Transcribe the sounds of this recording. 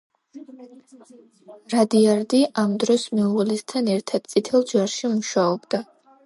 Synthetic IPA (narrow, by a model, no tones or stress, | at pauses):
ɾad̪iaɾd̪iʔamd̪ɾɔsmɛuʁɛlɛst̪ʰanɛɾt̪ʰad̪̥̚t̪sʼit̪ʰɛlˠd͡ʒaɾʃimuʃaɔbd̪a